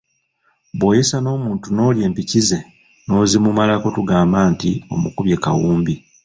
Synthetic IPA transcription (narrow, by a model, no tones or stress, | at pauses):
bwo̞ːjesano̞ːmuːntuno̞ːlje̞ːmpicize̞ | no̞ːzimumalako̞tuɡaːmbaːntio̞̰mukuβje̞ka̰wuːmbi